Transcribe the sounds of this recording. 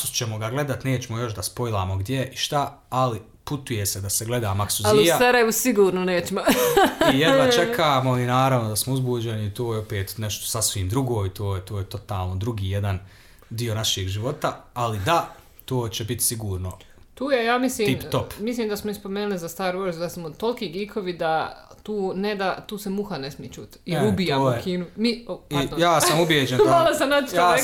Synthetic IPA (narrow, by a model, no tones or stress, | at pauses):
ut͡ʃemoɡaɡle̞d̪at̪ne̞ːt͡ɕemojo̞ʃd̪aspo̞jlˠaːmo̞ɡd̪jeʔiʃt̪aali | put̪uje̞sed̪aseɡle̞d̪aːmaksualiujasaɾajeʋusiɡuːɾnoneːt͡ɕemoijeɡ̪at͡ʃe̞kʰaːmoinaːɾaʋnod̪asmouzbuːd͡ʑe̞niːt̪oːjeopeːt̪neʃt̪osasʋiːmd̪ɾuɡo̞ːit̪oːjet̪o̞ːjet̪o̞t̪aːlˠno̞d̪ɾuɡiːje̞d̪an | d̪io̞naʃeːɡʒiʋo̞t̪aalid̪a | t̪oːt͡ɕebit̪siɡuːɾno | t̪uːjejaːmisliːip̪opmisliːmd̪asmoispo̞meːnulizast̪aːɾoɾzd̪asmot̪olkiːɡikʰoʋid̪at̪uːned̪at̪uːsemuxanesmijet͡ʃṵːt̪iɾubiamoːjkiːnumioijaːsamubjeːd͡ʒend̪aalˠosanat̪jaː